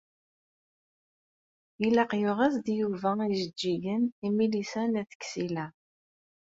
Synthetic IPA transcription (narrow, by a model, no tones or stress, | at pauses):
ilɑqjʊʁæsd̪juvæiʒəd͡ʒːiʝənimilisænæθə̥kːsilæ